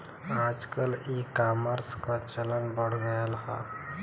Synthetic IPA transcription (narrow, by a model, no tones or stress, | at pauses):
ad͡ʒkəlikaməɾskãt͡ʃələnbəɽ̤ɡəjəlɦa̰